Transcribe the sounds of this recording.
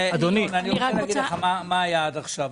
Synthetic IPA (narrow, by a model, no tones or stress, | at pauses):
ad̪onimeaniʁɔeaɡidleχamamaːjadaχʃav